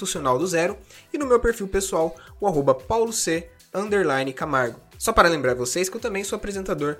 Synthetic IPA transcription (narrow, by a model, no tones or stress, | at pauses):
fũsionawd̪ʊzɛɾʊɪnʊmewpeɾfiwpesuawʊaɦobɐpawlʊse | ɐ̃nd̪eɾlãjnɪkamaɾɡʊsɔpaɾɐlẽmbɾaɾvosejskɪewt̪ɐ̃mbẽj̃soapɾezẽnt̪ad̪oɾ